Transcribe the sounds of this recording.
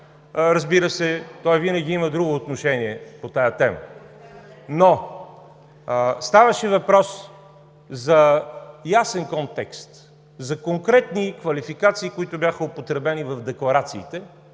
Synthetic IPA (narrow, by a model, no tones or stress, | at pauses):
ɾɐzbiɾəsɛt̪ɔjvinəɡʲiiməd̪ɾuɡoːt̪noʃɛniɛpot̪ajət̪ɛmə | no | st̪avɐʃɛvɐpɾɔs | zɐjasɛnkont̪ɛkst̪ | zɐkoŋkɾɛt̪nikvɐlifikat̪siːkoit̪ʊbjaxəopot̪ɾɛbɛnivɐvd̪ɛklˠɐɾat̪siːt̪ɛ